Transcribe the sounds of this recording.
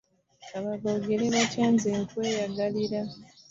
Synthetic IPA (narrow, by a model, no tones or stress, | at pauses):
aβaɡoɡeleβacaːnzeŋkwe̞ːjaɡaliɾa